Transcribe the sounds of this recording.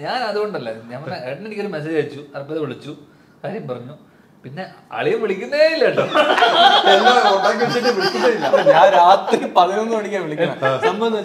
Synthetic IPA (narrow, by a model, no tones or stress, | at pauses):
ɲaːnɐðuɣo̞ɳɖɐlːɐɲɐmːɐneɖnenikʲːoɾumes̬eːd͡ʑait͡ɕːuɐrɐpːɐðʋiɭit͡ɕːu | kaːɾjɐjɐmpɐrɐɲːu | pinːe̞ | ɐ̰ɭijɐmʋiɭikʲːunːɐjeːilːɐɳɖɐ | enːɐkoʈːakːiit͡ɕːiʈ̬ːɨʋiɭikʲːunːɐilːɐɲaːɾaːt̪ripɐðinonːumɐɽikʲːaːnʋiɭik̪ʲːɐnɐmbɐnː